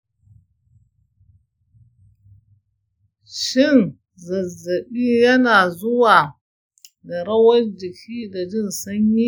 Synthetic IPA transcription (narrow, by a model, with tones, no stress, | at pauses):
ʃɪ˦˨n | zɐ˨zːɐ˨ɓiː˦jɐ˦naː˨zʊ˦waː˨ | da˨ɾɐ˦wɐ˦nd͡ʒɪ˨kʲʰiː˦da˨d͡ʒɪ˦nsɐ˦ɲji˦